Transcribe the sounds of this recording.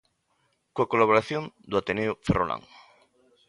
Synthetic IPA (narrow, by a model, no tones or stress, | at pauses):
koakolaβoɾaθjõnd̪ʊat̪eneoferolã̰ŋ